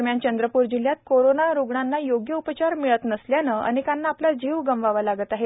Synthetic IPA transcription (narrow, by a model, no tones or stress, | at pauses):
mjant͡ɕənd̪ɾəpuɾd͡ʑil̤jat̪̚koɾonaɾuɡɳanːajoɡjəupət͡ɕaɾmiɭət̪nəsljanəa̰nikanːaːplad͡ʑiʋɡəmʋaʋalaɡət̪aɦe